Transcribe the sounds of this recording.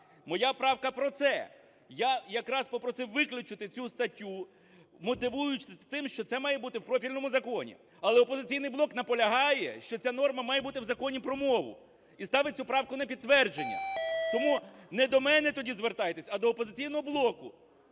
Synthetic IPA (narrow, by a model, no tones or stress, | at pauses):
mɔjapɾɑwkɐpɾɔt̪sɛ̰ | jajɐkɾɑspɔpɾɔsɪwʋɪklʲʊt͡ʃɪt̪ɪt͡sʲust̪ɐtʲːu | mɔt̪ɪʋujʊt͡ʃɪsʲt̪ɪmʃt͡ʃɔt̪sɛmɑjɛbut̪ɪwpɾɔfʲilʲnɔmʊzɐkɔnʲḭ | ɐlˠɛɔpɔzɪt͡sʲijnɪjblˠɔknɐpɔlʲɐɦɑjɛ̰ʃt͡ʃɔt͡sʲan̪ɔrmɐmɑjɛbut̪ɪwzɐkɔnʲipɾɔmɔʋʊ̰ | ist̪ɑʋɪt͡sʲupɾɑwkʊnɐpʲid̪t̪ːʋɛrd͡ʒenʲːɐ̰t̪ɔmunɛd̪ɔmɛnɛt̪ɔdʲizʋert̪ɑjet̪esʲɐd̪ɔːpɔzɪt͡sʲijnɔɦɔblˠɔkʊ